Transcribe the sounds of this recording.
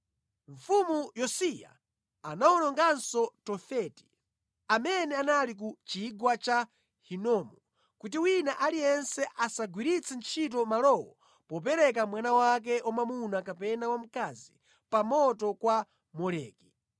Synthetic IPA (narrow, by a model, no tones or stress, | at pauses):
ɱ̩fumujɔsija̰ | anawɔnɔŋɡansɔtɔfɛti̥ | amɛnɛanalik̬ut͡ʃiɡwat͡ʃa | hinɔmɔ | kut̬iwinaʔalijɛnsɛʔasaɡwiɾit͡sʰɛnt͡ʃʰit̬ɔmalɔwɔ | pɔp̬ɛɾɛk̬amwanawak̬ɛʔɔmamunakapɛnawam̩kazi | pamɔtɔkwa | mɔlɛ̰ːki